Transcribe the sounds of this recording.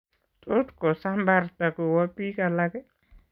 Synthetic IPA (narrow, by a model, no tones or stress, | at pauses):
tʼotkɔsambartakuwpːikalakɛ